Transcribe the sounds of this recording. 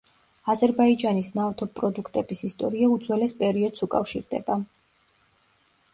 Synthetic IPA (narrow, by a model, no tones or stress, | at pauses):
azɛɾbaid͡ʒanisnaft̪ʰɔpʼɾɔd̪ukʰt̪ʼɛbisist̪ʼɔɾiaud̪zwɛlɛspʼɛɾiɔd̪sukʼafʃiɾd̪ɛ̰ba